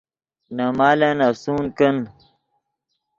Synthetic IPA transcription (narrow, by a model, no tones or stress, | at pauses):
namaːlenasuːnkən